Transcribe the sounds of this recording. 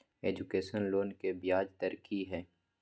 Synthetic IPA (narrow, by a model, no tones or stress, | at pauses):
eːd͡ʒʊkeːsənloːnkebɪjaːd͡ʒt̪ɐɾkʰiɦɛː